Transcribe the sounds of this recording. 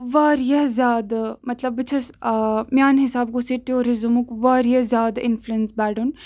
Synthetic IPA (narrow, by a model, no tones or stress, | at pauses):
ʋaːɾjɐɦzjaːd̪mɐt̪lɐbːɨt͡ʃʰɐsmjaːnɦisaːbɡusiʈijoːɾizɨmukʋaːɾjɐzjaːd̪ɪnfluensbɛːɖun